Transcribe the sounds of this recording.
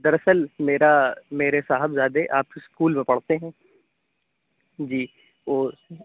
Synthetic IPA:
d̪ɐɾɐsəlmeːɾameːɾesaːɦəbzjaːd̪eʔaːpskuːlmẽpɐɽ̤t̪eɦɛ̃ː | d͡ʒiː | oː

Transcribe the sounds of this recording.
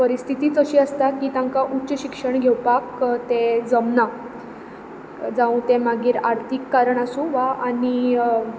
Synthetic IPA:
pəɾist̪ʰit̪iːt͡səɕiːəst̪akiːt̪ãŋkaʔutːɕəɕikʂəɳɡʱewpakt̪ed͡zəmna | d͡zãũt̪emaɡiːɾaɾt̪ʰikːaɾəɳasũʋaani

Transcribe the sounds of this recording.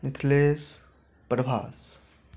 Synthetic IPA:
mɪt̪ʰleːs | pəɾbʱa̰ːs

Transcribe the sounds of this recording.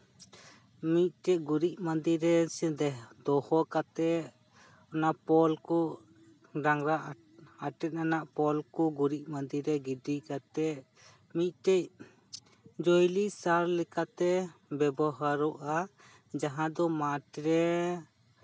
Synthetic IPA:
mit̪̚ʈɛc̚ɡuɾic̚mãnd̪iɾɛsɛd̪ɛd̪ɔhɔkat̪ɛ | ɔnaʔpɔlkɔ | ɾaŋɾaʔ | aʈɛt̪̚nanaʔpɔlkɔɡuɾic̚mand̪iɾɛɡiɖikat̪ɛ | mit̪̚ʈɛc̚ | d͡ʒojlisaɾlɛkat̪ɛbɛbɔɦaɾɔʔa | d͡ʒaɦãd̪ɔmaʈɾɛ

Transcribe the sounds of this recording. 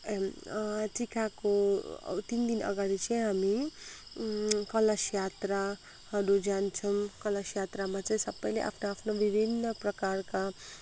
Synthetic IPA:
ʈikako̰t̪ind̪inʌ̰ɡaɽit͡sʌĩɦami | kʌləsjat̪ɾa | hʌɾud͡zant͡sʰʌmkʌlʌsjat̪ɾamat͡saĩsʌbʌjleʔa̰pʰnoapʰnobibʱinːʌprʌkaɾka

